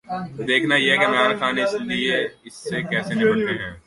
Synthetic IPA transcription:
d̪eːkʰnajeɦɛkiɐmɾaːɾxaːnɪslieɪsːekɛːsenɪ̃bɐɽt̪eɦɛ̃ː

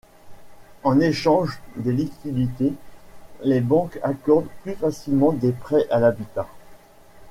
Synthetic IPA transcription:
ɑ̃neʃɑ̃ʒd̪elikʲid̪it̪e | lebɑ̃kakɔʁd̪plyfasilmɑ̃d̪epχɛʔalabit̪a

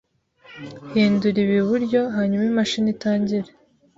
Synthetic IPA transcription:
hiːnduɾiβiβuɾɟo̞ɦaːɲumaimaʃinitaːɲɟiɾe

